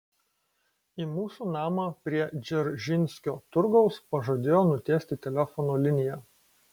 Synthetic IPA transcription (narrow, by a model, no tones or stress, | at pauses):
iːmuːsuːnɑːmɐpʲɾʲiɛd͡ʒʲɛɾʒʲɪnʲsʲkʲoːt̪ʊɾɡɒʊspɐʒɐd̪ʲeːjoːnʊt̪ʲeːsʲt̪ʲɪt̪ʲɛlʲɛfɔnoːlʲɪnʲɪjæ